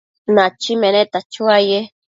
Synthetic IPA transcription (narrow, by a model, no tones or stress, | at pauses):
nat͡ʃimenet̪at͡ʃuaje